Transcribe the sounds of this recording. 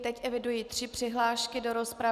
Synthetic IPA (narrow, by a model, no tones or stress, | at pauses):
t̪ɛcʔɛvɪdujiːt̪r̝̥ɪpr̥ɪɦlaːʃkɪdo̞ɾo̞spɾa